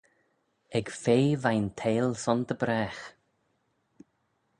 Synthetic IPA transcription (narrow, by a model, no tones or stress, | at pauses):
ɛɡ̥feːvajnt̪ʰeːlsɔnd̪əbɾɛːx